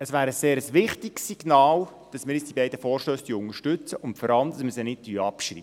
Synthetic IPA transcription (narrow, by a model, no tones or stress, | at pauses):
əsvæːɾəsseːɾəsʋɪχtɪksiɡ̥nɑːl | d̥ɑsmɪːɾjɪt͡sd̥ibɛɪdəfɔːrʃtøːsd̥yʊŋəʃtʏt͡səʔʊntfɔɾɑlˠmd̪̥ɑsmɪsənɪtdyːɑpʃrḭːə